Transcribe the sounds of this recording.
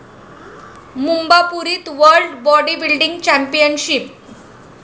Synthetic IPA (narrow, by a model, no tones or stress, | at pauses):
mumbapuɾiːt̪ʋəɾlɖbɔɖibilɖiŋɡt͡ɕæmpijənɕip̚